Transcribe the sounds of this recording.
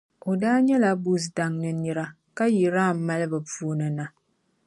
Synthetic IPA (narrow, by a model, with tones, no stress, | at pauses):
o˨daː˦ɲɛ˦la˨bu˦s̬da˨ŋnɨ˨nɨ˦ɾa˦ | ka˦ji˨ɾaː˦˨m̩˨ma˦lɨ˦bɨ˨pu˦o˦nɨ˨na˨